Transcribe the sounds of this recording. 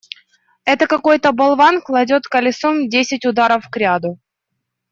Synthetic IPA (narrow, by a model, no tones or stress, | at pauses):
ɛt̪əkɐko̞jt̪əbɐlˠvanklˠɐdʲo̞t̪kəlʲɪsomdʲesʲɪtʲʊd̪aɾəfkɾʲad̪ʊ